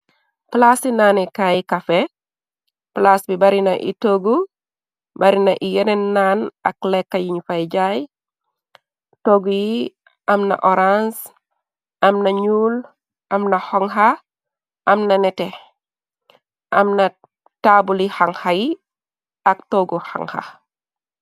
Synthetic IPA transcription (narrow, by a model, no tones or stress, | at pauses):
plasinaːnɛkajikafɛ | plasbibɐɾinɐʔḭtoːɡu | bɐɾinɐʔijɛnenːaːnɐklɛkːajiɲfajɟaj | toɡuji | ʔɐmnɐ̰ʔɔɾãns | ɐmnɐɲuːl | ʔɐmnɐhɔŋɦa | ʔɐmnɐnɛtɛ | ʔɐmnɐ | taːbulihaŋhaji | ɐk̚tɔːɡuxa̰ŋha̰